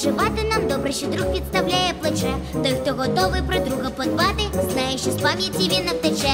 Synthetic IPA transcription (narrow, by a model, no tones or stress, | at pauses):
ʐɨvat̪ɨnamd̪obɾɨɕɛd̪ɾuk̚pɾʲɪt̪st̪avlʲæjɛplˠɐt͡ʂɛt̪ojkt̪oɣɔt̪ovɨpɾɐd̪ɾuɣəpɐd̪vad̪ɨznajɪɕɪsvavʲitʲɪbʲenɐk̚t̪ɐt͡ʃɛ